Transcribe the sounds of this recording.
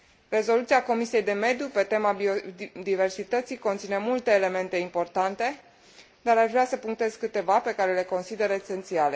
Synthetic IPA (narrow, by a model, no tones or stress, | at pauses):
re̞zo̞lut̪siako̞misije̞jd̪e̞me̞d̪jupe̞t̪e̞mabiod̪ive̞rsit̪ət̪siko̞nt̪sine̞mult̪e̞ːle̞me̞nt̪e̞impo̞rt̪ant̪e̞ | d̪aɾaʃvɾeasəpuŋk̚t̪e̞zkɨt̪e̞vape̞kaɾe̞le̞ko̞nsid̪e̞ɾese̞nt̪siale̞